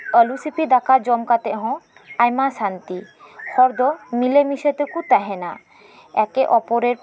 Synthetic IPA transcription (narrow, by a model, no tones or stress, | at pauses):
ɔlusipid̪akaɾd͡ʑɔmkat̪eɦɔ̃ | ajmasant̪ikʰɔɾd̪omilemiʃet̪ekut̪ɛɦena | ɛkeʔɔpoɾeɾ